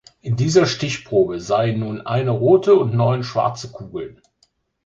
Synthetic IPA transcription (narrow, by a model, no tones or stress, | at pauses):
ʔɪndiːzɐʃtɪçpʁ̥oːbəzaɪənːuːnʔa̰ɪnəʁoːtʰəʊntnɔʏnʃv̥a̰ɐt͡səkʰuːɡl̩